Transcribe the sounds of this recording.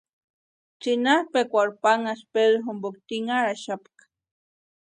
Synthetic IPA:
t͡sinaɾpekʷaɾpaŋaspeðoɦumbokt̪iŋaɾaʃapk

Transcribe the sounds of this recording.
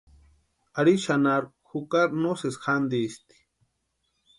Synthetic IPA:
aɾiʃanaɾ | xukaɾnosesxand̪ist̪i̥

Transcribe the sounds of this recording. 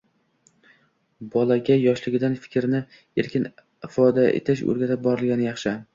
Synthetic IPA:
bɒlaɡʲajɒʃlɪɡʲɪd̪anfɪ̥kʲɾɪnɪ | e̞ɾkʲʰɪn | ɪfɒd̪aʔḛt̪ʰɪʃɵ̰ɾɡʲat̪ʰɪp̚bɒɾɪlɡʲanɪjɑχʃɪ

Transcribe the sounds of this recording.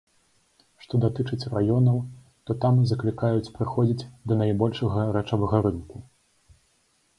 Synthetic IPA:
ʂt̪ɔd̪at̪ɨt͡ʂɨt͡sʲrajɔnɐw | t̪ɔt̪amzɐklʲikajut͡sʲpɾɨxɔd͡zʲid͡zʲd̪ɐnajbɔlʲʂɐɣɐɾɛt͡ʂɐvɐɣɐɾɨnku

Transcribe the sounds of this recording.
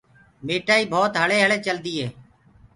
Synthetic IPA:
meːʈaːiːbʱoːt̪ɦəɭeːɦəɭeːt͡ʃəld̪iːɦeː

